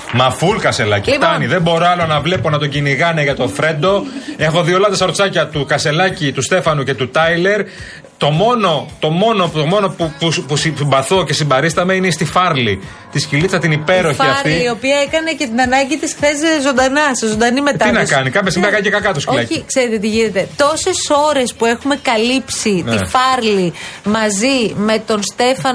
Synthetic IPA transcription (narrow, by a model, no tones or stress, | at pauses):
mɐfulkɐse̞lɐ̰citɐniðembo̞ɾoɐlo̞nɐvle̞po̞nɐt̪o̞ɟiniɣɐneʝɐt̪o̞fɾe̞nd̪o̞e̞xo̞ðiolɐt̪ɐsɐɾot͡sɐcɐt̪ukɐse̞lɐcit̪ust̪e̞fɐnuce̞t̪ut̪ɐjle̞ɾ | t̪o̞mo̞no̞t̪o̞mo̞no̞t̪omo̞no̞pupuspusiimbɐθo̞ce̞simbɐɾist̪ɐme̞ineist̪ifɐɾli | t̪iscilit͡ssɐt̪inipe̞ɾo̞çfiɐɐfɾt̪ilio̞piɐekɐne̞ce̞t̪inɐnɐɲɟit̪isxθeszo̞nd̪ɐnɐszond̪ɐnime̞t̪ɐinɐskɐnikɐpçɐsimveɐkɐnicekɐkɐt̪oscoilɐcikse̞ɾet̪et̪iʝine̞t̪e̞t̪o̞se̞so̞ɾe̞spue̞xume̞kɐlipsitnifɐɾlimɐzime̞t̪o̞nst̪e̞fɐn